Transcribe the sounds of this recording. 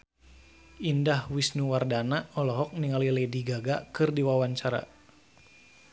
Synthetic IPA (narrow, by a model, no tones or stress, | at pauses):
indahwisnuwardanaɔlɔɦɔk̚niŋalilɛdiɡaɡakɨrdiwawaɲt͡ʃaɾa̰